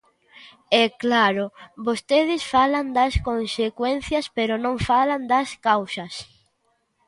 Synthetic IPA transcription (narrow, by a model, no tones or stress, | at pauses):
ɛklaɾobost̪eðɪsfaland̪ɐskonsekwɛn̟θjɐspeɾonõŋfaland̪ɐskawsɐs